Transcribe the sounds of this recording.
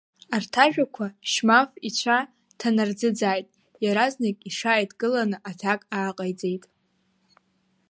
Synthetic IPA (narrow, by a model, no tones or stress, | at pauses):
artʰaʒᶣakʷʰaʃmafit͡ɕʷʰa | tʰanard͡zɨd͡zaːjtʼ | jaɾaznakʲʼiʂaːjtʼɡɨlanɨʔatʰakʼaːqʼajd͡zʼejtʼ